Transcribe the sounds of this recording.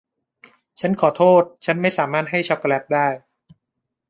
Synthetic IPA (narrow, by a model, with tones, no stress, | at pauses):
t͡ɕʰa˦˥nkʰɔː˩˦t̪ʰoː˥˩t̪̚t͡ɕʰa˦˥nma˥˩jsaː˩˦maː˥˩t̪̚ɦa˥˩jt͡ɕʰɔ˦˥klɛ˦˥p̚daː˥˩j